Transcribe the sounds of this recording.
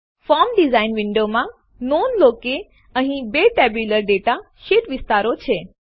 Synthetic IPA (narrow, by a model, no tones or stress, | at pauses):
fɔɾmɖizainʋiɳɖomã | nonloke | əɦĩbeʈɛbjuləɾɖeʈa | ʃeʈʋɪst̪aɾot͡ʃʰe